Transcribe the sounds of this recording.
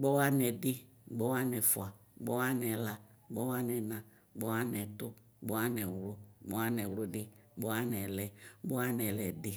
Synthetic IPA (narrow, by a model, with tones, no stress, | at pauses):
ɡ͡bɔ˦wa˦nɛ˨dɪ˦ | ɡ͡bɔ˦wa˦nɛ˨fwa˨ɡ͡bɔ˦wa˦nɛ˨la˨ɡ͡bɔ˦wa˦nɛ˨na˨ | ɡ͡bɔ˦wa˦nɛ˨tʊ˦ | ɡ͡bɔ˦wa˦nɛ˨wlʊ˦ɡ͡bɔ˦wa˦nɛ˨wo˦dɪ˦ | ɡ͡bɔ˦wa˦nɛ˨lɛ˨ɡ͡bɔ˦wa˦nɛ˨lɛ˨dɪ˦